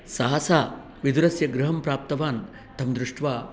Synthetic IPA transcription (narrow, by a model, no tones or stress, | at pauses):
sɐɦasaː | ʋid̪uɾɐsjɐɡɾɐɦɐmpɾaːp̚t̪ɐʋaːn | t̪ʰɐmd̪ɾuʂʈʋaː